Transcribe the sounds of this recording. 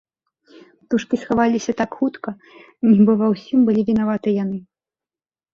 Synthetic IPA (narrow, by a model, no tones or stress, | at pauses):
pt̪uʂkʲisxavalʲisʲɐt̪akxut̪kɐ | nʲbɔvɐwsʲimbɨlʲivʲinavat̪ɨjan̪ɨ